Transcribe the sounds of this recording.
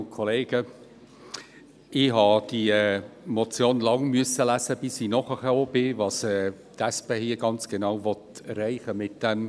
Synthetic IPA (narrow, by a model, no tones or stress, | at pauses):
kʰɔleːɡ̥ə | ɪɦɑd̥imɔt͡sjoːnlɑŋmyəsəlæsəb̥ɪsɪnɔχəχɛoːb̥ɪvɑːsɛ | d̥̪ɛspehiːɡɑnt͡sɡ̥enaʊvɔtɛrɛɪχəmɪt̚d̥ɛm